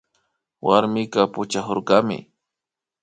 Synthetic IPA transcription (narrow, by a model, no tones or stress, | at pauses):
wʔaɾmɪkapʊt͡ʃahoɾɢɑmɪ̰